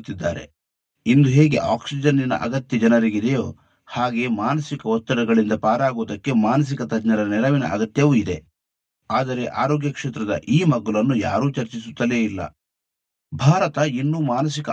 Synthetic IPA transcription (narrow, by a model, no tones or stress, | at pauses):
t̪ːid̪ːa̰ːɾe̞̰ | ind̪uɦe̞ːɡe̞̰ʔaːksid͡ʒɐnːinɐ̰ʔɐ̰ɡɐt̪jɐd͡ʒɐnɐɾiɡid̪ejoː | haːɡe̞ːmaːnɐsikɐɔt̪ːɐɾɐɡɐɭind̪ɐpaːɾaːɡoːd̪ɐkːe̞maːnɐs̬ikɐt̪ɐd͡ʒnɐɾɐnɛlɐʋinɐ̰ʔɐɡɐt̪jɐʋuid̪e̞ | aːd̪ɐɾe̞ʔaːɾoːɡjɐkʂeːt̪ɾɐd̪ɐ̰ʔiːmɐɡɐlɐnːuja̰ːɾuːt͡ʃɐɾt͡ʃisut̪ːɐle̞ːilːɐ̰ | bʱaːɾɐt̪ɐinːuːmaːnɐsikɐ